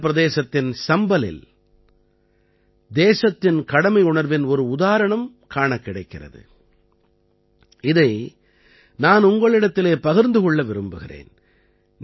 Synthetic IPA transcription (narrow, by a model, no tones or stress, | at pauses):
pɪɾɐðeːsɐt̪ːɪnsɐmbɐlɪ̰l | d̪eːsɐt̪ːɪnkɐɽɐmɐɪʊɳɐɾʋɪnɔɾɯʊðaːɾɐɳɐm | kaːɳɐkːɪɽɐɪkːɪrɐ̰ðɯ̰ | ɪðɐɪ | naːnʊŋɡɐɭɪɽɐt̪ːɪleːpɐɣɪɾnd̪ɯkɔɭːɐʋɪɾɯmbɯɣɪrḛːn | n